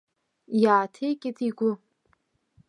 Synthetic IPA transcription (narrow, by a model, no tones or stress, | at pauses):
jaːtʰejkʲʼɪtʼiɡʷʊ